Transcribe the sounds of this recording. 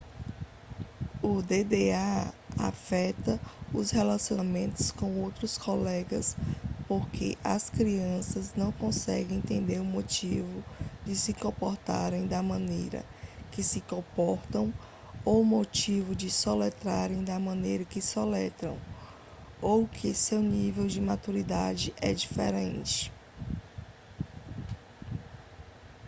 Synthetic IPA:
ʊd̪ed̪eaa̰fɛt̪ɐʊshelasiomẽnt̪ʊ̥skõw̃owt̪ɾʊskolɛɡɐspoɾkʰḛʔɐ̰skɾiɐ̃sɐznɐ̃w̃kõsɛ̰ɡẽj̃ẽt̪ẽnd̪eɾʊmot͡ʃivʊd͡ʒɪsɪkõpoɾt̪a̰ɾẽj̃d̪ɐmɐ̃nejɾɐ̰ | kɪsɪkõpɔɾt̪ɐ̃w̃ | owmot͡ʃivʊd͡ʒɪsolɛt̪ɾaɾẽj̃d̪ɐmɐ̃nejɾɐkɪsolɛt̪ɾɐ̰̃w̃ | owkʰɪsewnivewd͡ʒɪmat̪uɾid̪ad͡ʒɪʔɛd͡ʒifḛɾḛ̃nt͡ʃɪ̥

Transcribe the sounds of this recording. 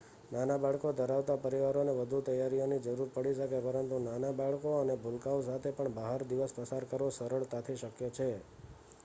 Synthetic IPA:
nanabaɭkod̪ʱəɾaʋt̪apəɾiʋaɾoneʋəd̪ʱut̪əjaɾionid͡ʒəɾuɾpəɽiʃəkepəɾənt̪unanabaɭkoənebʱulkaos̬at̪ʰepəɳbəɦaɾd̪iʋəspəsaɾkəɾʋosəɾəɭt̪at̪ʰiʃəkjot͡ʃʰe

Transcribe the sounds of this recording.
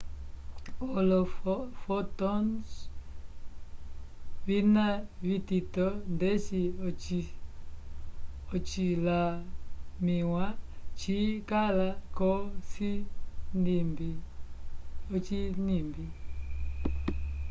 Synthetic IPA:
olɔffɔtɔns | vinavititɔndɛsit͡ʃi | ot͡ʃila | miwat͡ʃikalakɔsindimbi | ot͡ʃinimbi

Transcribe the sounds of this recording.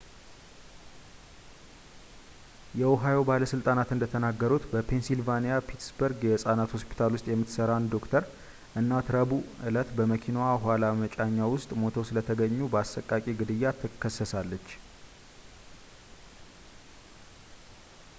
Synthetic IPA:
jɛoɦajo̞baləsɨlt̪ʼanat̪ɨnd̪ət̪ʰənaɡːəɾut̪bəpʰe̞nsilvanijapʰit̪sbəɾɡjɛsʼanat̪ho̞spi̥t̪ʰalwʊst̪ʼjɛmːɨt̪səɾand̪o̞kt̪ʰəɾ | ʔɨnːat̪ɾəbuʔɨlət̪bəməkʰinaɦalamət͡ʃʼaɲːawʊst̪ʼmo̞t̪ʰəwsɨlət̪ʰəɡəɲːubəasəkʼːakʼiɡɨd̪ɨjːat̪ʰɨkʰːəsːəsalːət͡ʃː

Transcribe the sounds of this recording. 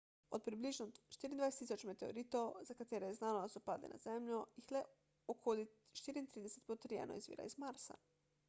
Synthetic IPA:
o̰t̪̚pɾibliʒnot͡ʃt̪iɾind̪ʋaeset̪isot͡ʃmet̪eo̰ɾit̪ozakat̪eɾejeznaːnod̪asupad̪lḭna̰z̥emʎojixle | okʰolit̪t͡ʃt̪iːɾiint̪ɾiːd̪eset̪pot̪ɾiḛno̰ḭzʋḭːɾa̰izmaɾsa̰

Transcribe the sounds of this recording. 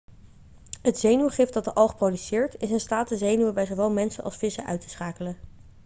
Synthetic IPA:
ɦətz̥ejnywəχɪfdɑt̚dəʔɑlˠχprowdysɪːɹtɪsɪnstaːtəzejnywəbɛjzowʋɛlˠmɛnsənʔɑ̰sfɪsə̰ʔœ̰ɥtə̥sχaːkələ

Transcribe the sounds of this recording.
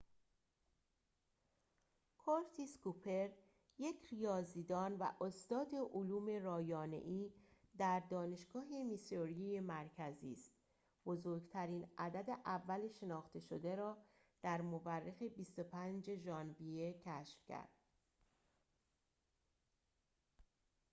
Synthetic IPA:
kʰoɾt̪ʰiskupʰe̞ɾ | jecʰɾijɒːziːd̪ɒːnvæ̰ʔost̪ɒːd̪e̞ʔoluːme̞ɾɒːjɒːne̞̰ʔiːd̪æɾd̪ɒːne̞ʃɡ̥ɒːɦe̞misoɾiijemæɾcʰæziːst̪ | b̥o̞zoːɾɡt̪ʰæɾiːnæd̪æd̪e̞ʔævːæle̞ʃe̞nɒːxt̪e̞ʃod̪e̞ɾɒː | d̪̥æɾmoværːexe̞bist̪o̞pʰænd͡ʒeʒɒːnvijecʰæʃfcʰæ̰ɾd̪̥̚

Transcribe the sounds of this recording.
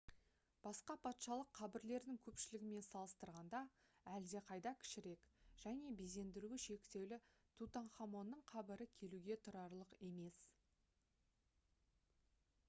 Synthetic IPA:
b̥ɑsqɑpʰɑt̪ʃɑlˠəqʰːɑbɪɾle̞ɾd̪ɪŋkʲʰɵpʃɪlɪɡʲɪme̞nsɑlˠəst̪əɾʁɑnd̪ɑæld̪e̞qʰɑjd̪ɑkʲʰɪ̥ʃɪɾe̞kʒ̥æne̞beze̞nd̪ɪɾuɪʃe̞kt̪e̞wlɪt̪ʰut̪anχɑmo̞nːəɴqʰɑbɪɾɪkʲʰe̞luɡʲe̞t̪ʰʊɾɑɾlˠəqe̞me̞s

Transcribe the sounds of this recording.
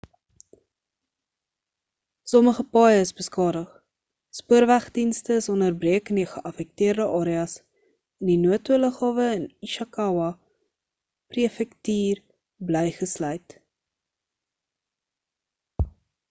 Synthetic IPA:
sɔməχəpɑjəəsbəskɑːdəχ | spuərvæχdinstəsɔnərbriəkəniχəʔɐfɛk̚tiərdəʔɑːɾiɑs | ɛndinuətuələχɑːvəəniʃɑkɐwɐ | priəfɛktiːr | bləjχəslœɥt

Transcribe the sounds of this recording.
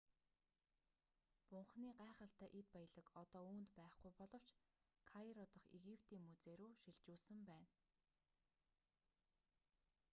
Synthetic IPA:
pʊɴχniːɢaːχə̆ɬt̪æːʔet̪̚pajə̆ɮə̆kɔt̪ɔːuːnt̪pæːχɡujpɔɮɞ̆w̥t͡ɕ | kʰaiɾɔt̪ə̆χeɣipʰt̪iːŋmut͡seːɾuːʃiɮt͡ɕuːɮsɘ̆mpæːn

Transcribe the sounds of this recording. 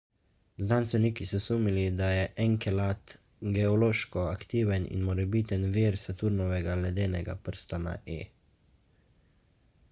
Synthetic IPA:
znanst̪ʋɛniːkisɔsuːmilid̪ajɛʔɛŋkɛlat̪ | ɡɛɔloːʃkɔakt̪iːʋɛnḭnmɔɾɛbiːt̪ənʋiːɾsat̪uːɾnɔʋɛɡalɛd̪eːnɛɡa̰pəɾst̪ana̰ʔḛː

